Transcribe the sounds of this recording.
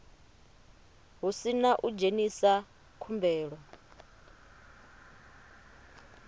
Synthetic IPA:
ɦusinaʔud͡ʒenisa | kʰumbɛːɺɔ

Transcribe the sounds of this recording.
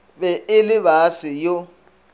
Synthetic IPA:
bɛɪlɪβasɪjo

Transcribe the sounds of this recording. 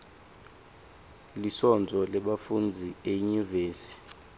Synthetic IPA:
lisɔnd͡zʱɔlɛɓafund͡zʱieɲuveːsi̥

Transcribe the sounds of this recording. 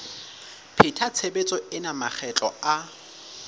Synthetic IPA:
pʰɪtʰat͡sʰebet͡sʼɔɪnamak͡xʰɛt͡ɬʼɔa

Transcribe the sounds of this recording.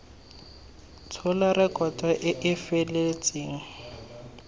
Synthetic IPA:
t͡sʰɔlarɪkʼɔtʼaʔɪʔɪfelet͡sʼeːŋ̩

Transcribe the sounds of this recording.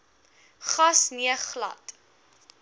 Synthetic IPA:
χɐsniəχlɐ̰t

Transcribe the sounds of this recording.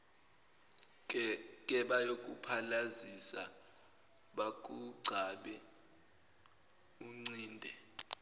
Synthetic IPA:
k̬ʼɛɓajok̬ʼṵpʰalazisa | ɓak̬ʼuɡ͡ǀʱaɓɛ | uŋ͡ǀiːndʱɛ

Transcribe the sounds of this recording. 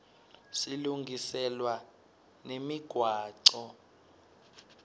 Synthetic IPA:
siluŋɡʱisɛlwa | nemiɡ̥ʱwaːǀɔ

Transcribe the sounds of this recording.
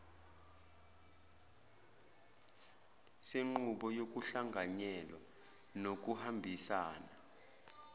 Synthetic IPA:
seŋ͡ǃuɓɔjok̬ʼuɬaŋʱaɲɛlwa | nok̬uhambʱisaːna

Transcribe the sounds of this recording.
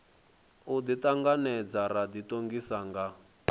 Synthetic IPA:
ud̪it̪aŋɡanɛd͡zaɾad̪itoŋɡisaŋɡa

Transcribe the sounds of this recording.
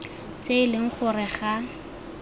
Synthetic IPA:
t͡sʼeɪlɪŋ̩χʊrɪχa

